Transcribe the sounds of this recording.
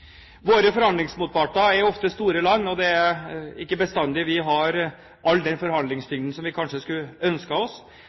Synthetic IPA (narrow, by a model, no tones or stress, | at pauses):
ʋoːɾəfɔɾhɑnd̪lɪŋsmuːt̪̚pɑʈɑæɾjɔft̪əst̪uːɾəlɑnːɔd̪ɛæɪkːəbəst̪ɑnd̪ɪʋɪɦɑɾ | ʔɑlːd̪ɛnfɔɾhɑnd̪lɪŋst̪ʏŋd̪ənsɔmʋɪkʰɑnʂəskʉœnskəɔs